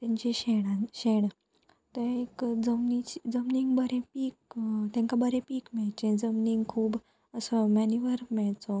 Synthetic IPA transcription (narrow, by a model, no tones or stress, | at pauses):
t̪jãɲt͡ɕeɕeɽaɕeɳ | t̪eekd͡zəmnit͡ɕid͡zəmniŋɡbəɾẽpiːk̚t̪ãŋkabəɾẽpiːkmɛɭt͡ɕẽd͡zəmniŋɡkʰuːb | əsɔmænjuʋəɾmɛɭt͡sɔ